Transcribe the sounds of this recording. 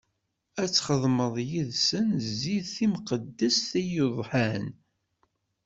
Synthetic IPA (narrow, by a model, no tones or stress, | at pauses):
æt͡sːχəðˤməðˤjiðsənziðθimqəd̪ːæsθæjuðˤħan